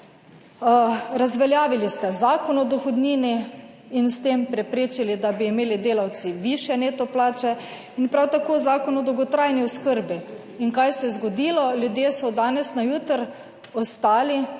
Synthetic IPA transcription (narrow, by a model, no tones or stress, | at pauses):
ɾazʋɛljaːʋilist̪ɛzaːkɔnɔd̪ɔxɔd̪niːni | inst̪eːmpɾɛpɾeːt͡ʃilid̪abiːmeːlid̪eːlawt̪siʋiʃjɛneːt̪ɔplaːt͡ʃɛ | inpɾawt̪akoːzaːkɔnɔd̪wɡɔt̪ɾajniɔskəɾbi | inkajsɛjɛzɡɔd̪iːlɔljud̪jeːsɔd̪aːnɛsnajuːt̪ɾ | ɔst̪aːli